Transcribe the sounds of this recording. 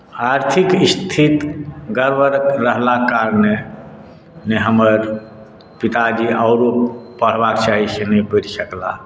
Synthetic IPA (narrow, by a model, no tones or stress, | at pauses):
aɾt̪ʰikist̪ʰit̪ɡəɾbəɾɾəɦlakaɾne | neɦəməɾ | pit̪ad͡ʒiaʊɾopəɽ̤bakt͡ʃaɦisenəpəɾisəkla̰